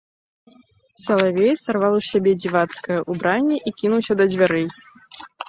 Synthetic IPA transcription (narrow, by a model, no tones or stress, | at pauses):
sɐlˠavʲɛjsarvalˠusʲabʲɛd͡zʲivat̪skɐjɐʔubɾanʲːɛʔikʲinuwsʲɐd̪ɐd͡zʲvʲaɾɛj